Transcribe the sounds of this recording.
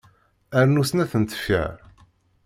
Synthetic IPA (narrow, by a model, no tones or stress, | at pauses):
æɾnusnæθənt̪ə̥fæ̰ɾ